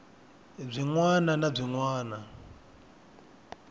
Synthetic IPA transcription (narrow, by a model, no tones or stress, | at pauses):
b͡ʐiŋwananab͡ʐiŋwaːna